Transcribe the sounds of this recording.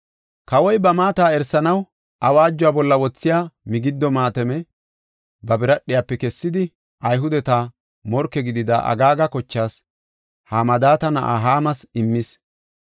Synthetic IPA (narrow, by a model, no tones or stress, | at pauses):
kɐwɔjbɐmaːt̪aːɛɾsːɐnɐw | ʔɐwaːd͡ʒːʊwaːbɔlːɐwɔt͡sːɪjaːmɪɡɪd̪ːɔmaːt̪ɛmɛ | bɐbɪɾɐɗːɪjaːpːɛkɛsːɪd̪ɪ | ʔɐjɦʊd̪ɛt̪aː | mɔɾkːɛɡɪd̪ɪd̪ɐʔɐ̰ɡaːɡɐkɔt͡ʃːaːs | haːmɐd̪aːt̪ɐnɐ̰ʔa̰ːɦaːmɐsɪmːɪs